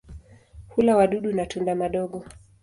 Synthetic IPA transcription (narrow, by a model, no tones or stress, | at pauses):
hulawaɗuɗunatundamaɗɔɠɔ